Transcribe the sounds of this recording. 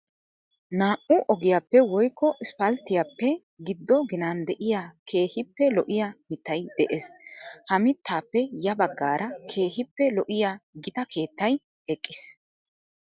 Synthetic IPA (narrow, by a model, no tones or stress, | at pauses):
naːʔʊʔɔɡɪjapːɛwɔjkːɔʔɪspɐlt̪ːɪjapːɛ | ɡɪd̪ːɔɡɪnaːnd̪ɛʔɪjaːkʰe̞ːhɪpːɛlɔʔɪjamɪt̪ːɐjd̪̥ɛʔeshɐmɪt̪ʰːaːpːɛjɐbɐɡːaːɾɐkʰe̞ːhɪpːɛlɔʔɪjaːɡɪt̪ɐkʰe̞ːt̪ːɐj | ɛkʼːɪs